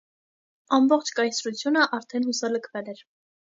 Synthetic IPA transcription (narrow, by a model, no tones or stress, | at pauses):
ɑmbɔχt͡ʃʰkɑjsɾut͡sʰjunəʔɑɾt̪ʰɛnhusɑləkʰvɛlɛɾ